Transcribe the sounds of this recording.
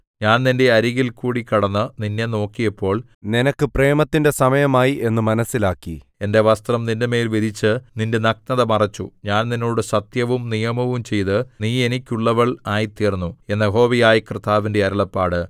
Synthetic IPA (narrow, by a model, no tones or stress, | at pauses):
ɲaːnninde̞ɐɾiɣilkuːɽikːɐɽɐnːɨninːeno̞ːkːijɐpːo̞ːɭ | ninɐkːɨpre̞ːmɐt̪ːinde̞sɐmɐjɐmaːjiʔe̞nːɨmɐnɐsːilaːkːḭ | e̞nde̞ʋɐst̪rɐmnindeme̞ːlʋiðʱit͡ɕːɨninde̞nɐk̚nɐðɐmɐrɐt͡ɕːṵɲaːnninːo̞ːɽɨsɐt̪jɐʋumnijɐmɐʋumt͡ɕe̞jt̪ɨniːe̞nikʲːuɭːɐʋɐɭaːjit̪iːrnːue̞nːɐɦo̞ːʋijaːjikrɨt̪aːʋinde̞ɐɾɐɭɐpːaːɽɨ